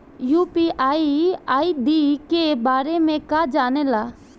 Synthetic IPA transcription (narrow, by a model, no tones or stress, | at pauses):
juːpiʔaːiaːid̪iːkebaːɾemẽkaːd͡ʒaːnɛlaː